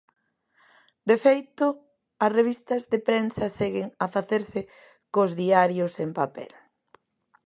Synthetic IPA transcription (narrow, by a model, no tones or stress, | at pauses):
d̪efejt̪ʊ | ɐsreβ̞ist̪ɐzðepɾensɐsɛɣeŋɐfaθeɾsɪ | kozðiaɾjʊsempapɛ̰l